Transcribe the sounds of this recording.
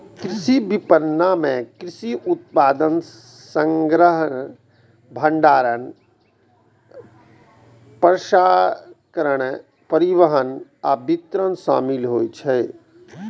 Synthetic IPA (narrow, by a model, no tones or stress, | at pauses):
kɾɪsibipənːamẽkɾɪʃiʔʊt̪̚paːd̪ən | sə̃ŋɡɾəɦən | bʱə̃ɳɖaːɾən | pəɾʃaːkəɾəɽ | pəɾiʋəɦənabit̪ɾənʃa̰ːmɪlɦoːit͡ʃʰɛː